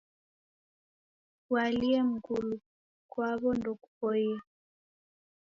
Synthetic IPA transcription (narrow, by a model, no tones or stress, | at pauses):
waliɛm̩kulu | kwaβɔndɔkupɔjɛ